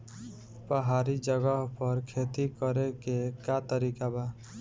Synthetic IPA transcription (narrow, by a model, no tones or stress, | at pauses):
pəɦaːɾid͡ʒəɡəɦpəɾkʰeːt̪ikəɾekekat̪əɾiːkabaː